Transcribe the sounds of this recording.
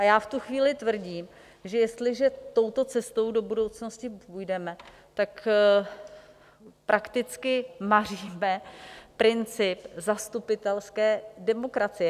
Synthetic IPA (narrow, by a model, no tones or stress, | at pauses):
ʔajaːft̪uxviːlɪt̪vr̩ɟiːm | ʒɛjɛst̪lɪʒɛt̪o̞wt̪o̞t͡sɛst̪o̞wdo̞budo̞wt͡sno̞scɪpujdɛmɛ | t̪ak | pɾʔakt̪ɪt͡skɪmar̝iːmɛpɾɪnt͡sɪpzast̪upɪt̪ɛlskɛːdɛmo̞kɾat͡sɪjɛ